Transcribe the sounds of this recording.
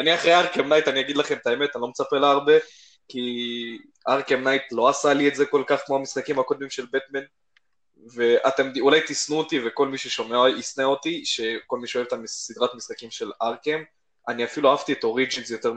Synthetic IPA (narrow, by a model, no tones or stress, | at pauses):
aniaχʁejaʁkemnajtanijaɡid̪laχe̞mt̪ae̞met̪anilo̞met͡sapelaːʁbe̞ | ki | ʔaʁkemnajt̪lo̞asalietzeko̞lkaχkmo̞amisχakimhako̞d̚mimʃe̞lbet̪men | ve̞at̪emd̪iulajt̪isnuot̪iveko̞lmiʃeʃo̞meaisneo̞t̪iʃe̞ko̞lmiʃeoet̪amisid̪ʁat̪misχakimʃe̞laʁkem | aniafiluaavt̪iet̪o̞ʁid͡ʒinzjo̞t̪e̞ʁ